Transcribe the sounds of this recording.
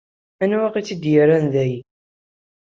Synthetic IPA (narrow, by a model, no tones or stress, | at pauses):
ænwæqit͡sːid̪jəɾænðæj